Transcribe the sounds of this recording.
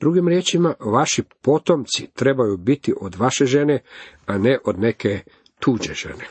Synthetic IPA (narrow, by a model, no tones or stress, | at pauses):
d̪̥ɾuɡimɾjeːt͡ʃimaʋaʃipo̞t̪omt̪sit̪ɾe̞bajubit̪iʔod̪ʋaʃeʒe̞neaneʔo̞d̪ne̞ke | t̪uːd͡ʒeʒ̥e̞̰ne